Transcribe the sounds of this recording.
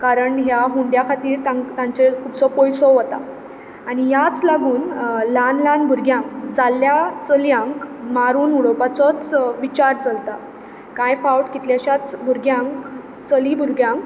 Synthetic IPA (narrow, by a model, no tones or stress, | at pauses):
kaɾəɳɦjaɦuɳɖjakʰat̪iːɾt̪ãŋkt̪ãɲt͡sekʰuːpt͡sɔpɔjsɔʋət̪a̰ː | ɽ̃ijat͡slaɡuːnlanlanbʱuɾɡjãŋkd͡zaljat͡səljãŋkmaɾuːnuɽɔpat͡sɔt͡sʋit͡ɕaɾt͡səlt̪a | kãjfawʈkit̪ljaɕat͡sbʱuɾɡjãŋk | t͡səlibʱuɾɡjãŋk